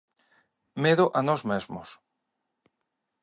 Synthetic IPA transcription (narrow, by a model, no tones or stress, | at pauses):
meðoʔanɔzmezmo̰s